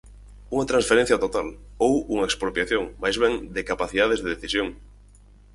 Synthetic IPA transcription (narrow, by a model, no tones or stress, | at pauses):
uŋat̪ɾãnsfeɾẽn̟θjat̪ot̪alowuŋaekspɾopjaθjoŋmajzβ̞eŋd̪ekapaθiðað̞ezðeðeθisjoŋ